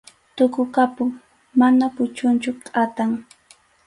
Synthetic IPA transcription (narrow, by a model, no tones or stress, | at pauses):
t̪ʊkʊkapʊŋ | manapʊt͡ʃʊnt͡ʃʊkʼat̪aŋ